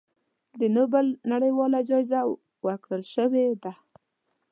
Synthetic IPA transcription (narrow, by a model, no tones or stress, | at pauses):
d̪ənobəlnaɽəjwɑlad͡ʒɑjza | wəɾkɽəlʃəwed̪a